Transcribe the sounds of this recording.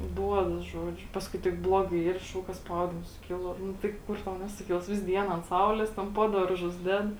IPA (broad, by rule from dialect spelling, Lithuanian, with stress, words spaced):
ˈduɔdɐs ˈʒuɔˌd͡ʒʲʊ ˈpɑːskʊɪ tʲɪk ˈblˠoːˌɡɐɪ ˈiːr ˈʃɐʊk kɐ ˈspɐʊdʲɪms sʊˈkʲɪlˠoː ˈnʊ tɐɪ ˈkʊr tɐʊ ˈnʲæːsʊˌkʲɪlˠs ˈʋʲɪs ˈdʲiɛn ɐnt ˈsɐʊlʲeːs ˈtʲɛn ˈpoː dɐrˌʒʊs ˈdʲɛt